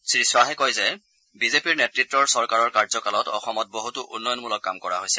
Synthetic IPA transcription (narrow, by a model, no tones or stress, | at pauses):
sɹiswaɦɛkɔjzɛ | bizepiɹnɛtɹitːɹɔɹsɔɹkaɹɔɹkaɹzɔkalɔtɔ̰xɔmɔt̚boɦutuʔunːɔjɔnmulɔkːamkɔɹa̰ɦojsɛ̥